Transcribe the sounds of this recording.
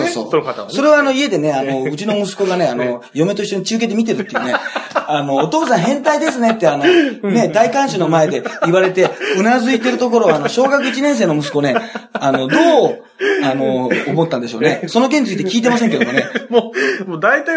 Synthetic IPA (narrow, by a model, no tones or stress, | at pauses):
soːso̰ːso̞ɾe̞βaːno̞ie̞d̪e̞neano̞ɯt͡ɕino̞mɯ̟sɨ̥ko̞ɡane̞ano̞jo̞me̞t̪o̞ɕi̥t̪net͡ɕɨːket̪e̞mʲit̪̬e̞ɾɯ̟t̪ːeɯ̟neano̞ːt̪o̞ːsãɰ̃ɦẽ̞nt̪aid̪e̞s̬ɨne̞t̪ːe̞anone̞d̪aikãɰ̃ɕono̞mae̞d̪e̞iβaɾe̞t̪e̞ɯ̟nazɨit̪e̞ɾɯ̟t̪o̞k̬o̞ɾo̞βanoɕo̞ːɡakɯ̟it͡ɕinẽ̞ɰ̃s̬e̞ːno̞mɯ̟s̬ɨ̥ko̞ne̞ano̞d̪o̞ː | ano̞ːmot̪ːãnd̪e̞ɕo̞̰ːne̞sono̞k̬eɲ̟it͡sɨit̪e̥kʲiːt̪̬e̞mas̬eŋked̪one | mod̪ait̪a